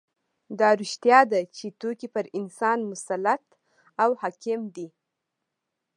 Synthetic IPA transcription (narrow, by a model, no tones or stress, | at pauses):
d̪ɑɾuʃt̪jɑd̪at͡ʃet̪okipəɾɪnsɑnmʊsalat̪ | awhɑkɪmd̪i